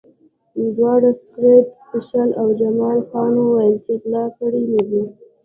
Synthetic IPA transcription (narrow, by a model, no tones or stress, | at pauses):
d̪wɑɽaskɾepspɪʃalawd͡ʒamɑlxɑnowajəlt͡ʃeklɑkəɽinəwi